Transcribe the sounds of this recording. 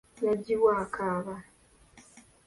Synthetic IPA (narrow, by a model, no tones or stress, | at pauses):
naɟiβwaːkaːβa